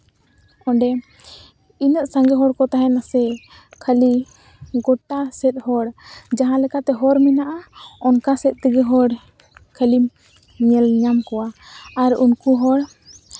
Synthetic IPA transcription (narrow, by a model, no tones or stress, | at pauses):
ɔɳɖɛ | inəʔsaŋɡɛɦɔɽkɔt̪aɦɛnasɛ | kʰəli | ɡɔʈasɛt̪̚ˀhɔɽd͡ʒaɦãlɛkat̪ɛɦɔɾmɛnaʔaɔnkasɛt̪̚ˀt̪əɡɛɦɔɽ | kʰəlim | ɲɛlɲamkɔwaaɾunkuɦɔɽ